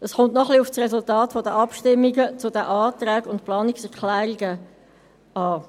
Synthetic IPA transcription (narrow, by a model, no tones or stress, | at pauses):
əsχʊntnɔχliʊfsrɛsʊltɑːtfɔdəʔɑpʃtɪmːiɡət͡sʊdəʔɑːt̪ɾɛːɡʊntplɑːniksɛʁklɛːɾiɡə | ɑː